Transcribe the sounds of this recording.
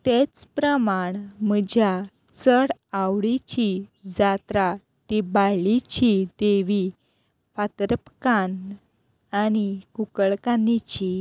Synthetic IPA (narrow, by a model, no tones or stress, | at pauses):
t̪et͡spɾəmaɳməd͡ʑja | t͡səɽawɽit͡ɕid͡zat̪ɾa | t̪ibalit͡ɕid̪eʋi | fat̪ɾəpkan | añikukəɭkanit͡ɕi